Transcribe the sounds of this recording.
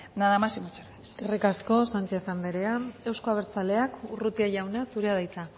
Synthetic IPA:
naðamasimot͡ʃeɾeeske̞rikasko̞sant͡ʃe̞θamd̪eɾe̞ae̞wsko̞aβ̞e̞ɾt͡sale̞akurut̪iaʝawnasuɾeað̞ajt͡sa

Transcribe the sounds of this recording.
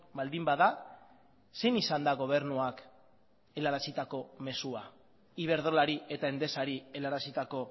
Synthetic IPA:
bald̪imbaða | se̞nisand̪aɣo̞β̞e̞ɾnuak | e̞laɾasit̪ako̞me̞sua | iβ̞e̞ɾð̞o̞laɾie̞t̪ae̞nd̪e̞saɾie̞laɾasit̪ako̞

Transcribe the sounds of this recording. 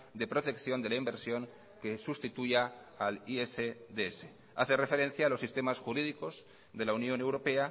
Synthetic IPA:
d̪e̞pɾot̪e̞kθjo̞nd̪e̞laimbeɾsjo̞ŋ | ke̞sust̪it̪uja | alieseðeese | a̰θerefe̞ɾẽ̞n̟θjaːlo̞sːist̪emasxuɾið̞iko̞z | ðelaunjo̞ne̞wɾo̞pe̞a

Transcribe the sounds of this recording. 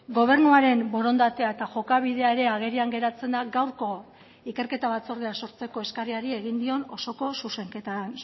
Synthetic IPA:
ɡo̞β̞e̞ɾnuaɾe̞mbo̞ɾo̞nd̪at̪e̞ae̞t̪aʝo̞kaβ̞iðe̞aeɾe̞aɣ̞e̞ɾiaŋɡe̞ɾat͡se̞nd̪aɡawɾko̞ | ike̞ɾke̞t̪aβat͡so̞ɾðeaso̞ɾt͡se̞ko̞e̞skariaɾie̞ɣind̪io̞no̞̰so̞ko̞suse̞ŋke̞t̪an

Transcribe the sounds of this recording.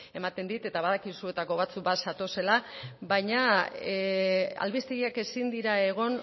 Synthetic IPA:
e̞mat̪e̞nd̪it̪e̞t̪aβaðakisue̞t̪ako̞β̞at͡suk̚basat̪o̞se̞laβajɲa | a̰lβist̪eɣiake̞sind̪iɾae̞ɣ̞o̞n

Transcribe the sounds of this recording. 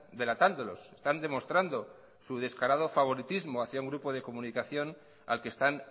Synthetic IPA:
d̪e̞lat̪and̪o̞lo̞̰sest̪and̪e̞mo̞st̪ɾand̪o̞ | suð̞e̞skaɾað̞o̞faβ̞o̞ɾit̪izmo̞aθjauŋɡɾupo̞ð̞e̞ko̞munikaθjo̞n | a̰lkest̪an

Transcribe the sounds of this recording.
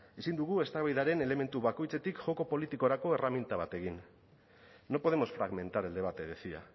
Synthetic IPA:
isind̪uɣ̞ue̞st̪aβajðaɾe̞ne̞le̞me̞nt̪uβako̞jt͡se̞t̪ikʝo̞ko̞po̞lit̪iko̞ɾako̞eramjent̪aβat̪e̞ɣinː | o̞poð̞e̞mo̞sfɾaɣme̞nt̪aɾe̞ld̪e̞β̞at̪e̞ðesia̰

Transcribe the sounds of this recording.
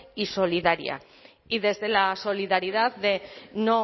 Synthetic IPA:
iso̞liðaɾḭa̰ | iðe̞zðe̞laso̞liðaɾiðat̪ːeno

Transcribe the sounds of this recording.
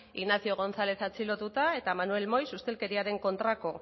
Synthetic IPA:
iɣnasio̞ɣ̞o̞nθale̞θat͡silo̞t̪ut̪ae̞t̪amanue̞lmo̞jsust̪e̞lke̞ɾiaɾe̞ŋko̞nt̪ɾako̞

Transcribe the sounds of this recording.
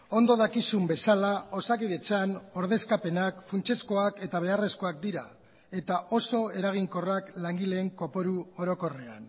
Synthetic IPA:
o̞nd̪o̞ð̞akisumbe̞salao̞sakiðet͡sano̞ɾðe̞skape̞nakfunt͡ʃe̞sko̞ake̞t̪aβ̞e̞are̞sko̞akd̪iɾa | e̞t̪aʔo̞so̞e̞ɾaɣ̞iŋko̞raklaŋɡile̞ːŋko̞po̞ɾuo̞ɾo̞ko̞re̞a̰n

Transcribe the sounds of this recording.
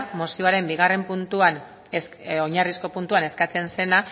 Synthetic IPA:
mo̞sioaɾe̞mbiɣ̞are̞mpunt̪uan | soɲarisko̞punt̪uane̞skat͡se̞nse̞na

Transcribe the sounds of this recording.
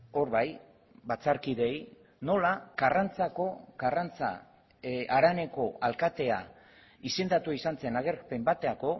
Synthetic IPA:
o̞ɾβaj | bat͡saɾkiðe̞j | no̞laɡ̥arant͡sako̞ɡarant͡sa̰ | aɾane̞ko̞ʔalkat̪e̞a | ise̞nd̪at̪uaisant͡se̞naɣe̞ɾpe̞mbat̪eako̞

